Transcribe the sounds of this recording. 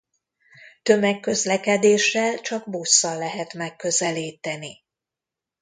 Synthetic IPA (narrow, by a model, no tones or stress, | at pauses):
t̪ø̞mɛkːø̞zlɛkɛd̪eːʃːɛlt͡ʃɒɡbosːɒlːɛɦɛt̪mɛkːø̞zɛliːt̪ɛni